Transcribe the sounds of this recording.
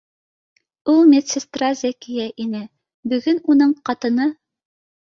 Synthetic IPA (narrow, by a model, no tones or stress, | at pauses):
ulˠmʲet̪sest̪razʲekʲijæʔinɘ | bɵ̆ɡɵnunɤɴqɑt̪ɤ̆nɤ